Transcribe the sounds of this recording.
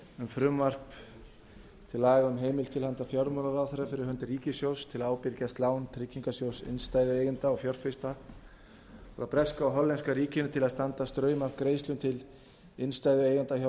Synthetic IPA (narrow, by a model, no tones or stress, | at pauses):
ʏmfɾʏmvar̥p | t̪ʰɪlːaːɣʏmɦeːjmɪlt̪ʰɪlhant̪afjɔɾmɔnaɾawθɛɾafɪɾɪɾhœnt̪riːcɪsjowst̪ʰɪlaːwpɪɾcast̪laːwnt̪ʰɾɪcːiŋkasjowsɪ̰nst̪aːjðʏeːjɣʏnt̪aɔfjɔr̥fɪst̪a | ɔ̰ɾapɾɛskaːwɦɔlːɛnskaɾiːcɪnʏt̪ʰɪlaðst̪ant̪ast̪ɾœːɥmakɾejst̪ʏnt̪ʰɪl | ɪnst̪aːjðʏeːjɣant̪açɔ